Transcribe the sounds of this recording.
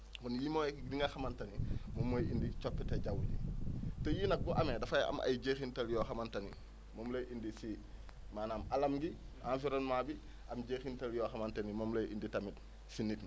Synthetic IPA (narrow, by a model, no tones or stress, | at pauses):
kɔnjimojekɡdiŋɡaxɐmantɐnimomːojindit͡ʃopːeteɟawuɟḭtojiːnɐk̚buʔamedɐfaja̰mʔa̰jɟexintɐljoxamantɐnḭ | momlojʔindisiː | maːnamalɐmɡi | anfiɾonmabi | ʔamɟeːxintɐljoxamantɐnimomlojʔḭnditɐmit | sinitn